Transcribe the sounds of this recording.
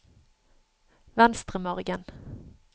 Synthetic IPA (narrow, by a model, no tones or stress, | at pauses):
vɛnst̪ʁəmɔʁɡən